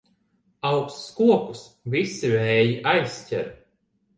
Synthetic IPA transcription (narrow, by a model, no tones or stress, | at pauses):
awkskuɔku̥s | visiɾɛːjiʔajsʲtʲɛ̰ɾ